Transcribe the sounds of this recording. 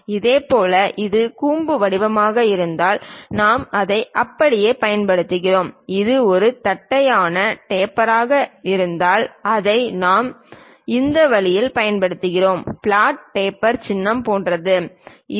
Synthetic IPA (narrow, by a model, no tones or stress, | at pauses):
ɪðeːpoːlɐʔɪðɯkuːmbɯʋɐɽɪʋɐmaːɣɐɪɾɯnd̪aːlnaːmɐðɐɪʔɐpːɐɽɪjeːpɐjɐnpɐɽɯt̪ːɯɣɪroːmɪðɯɔɾɯt̪ɐʈːɐjaːnɐʈeːpːɐɾaːɣɐɪɾɯnd̪aːlɐðɐɪnaːm | ɪnd̪ɐʋɐlɪjɪlpɐjɐnpɐɽɯt̪ːɯɣɪroːmpɭaːʈ̚peːpːɐɾt͡ʃɪnːɐmpoːndrɐðɯ